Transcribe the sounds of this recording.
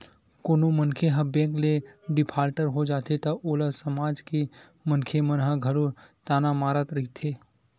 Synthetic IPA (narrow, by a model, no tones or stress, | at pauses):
koːnomənkʰeɦɐbẽːkleɖɪpʰaːlʈəɾɦod͡ʒaːt̪et̪ɐʔoːləsəmaːd͡ʒke | mənkʰemənɦəɡʱɐɾot̪aːnamaːɾət̪ɾɐɦit̪ʰeː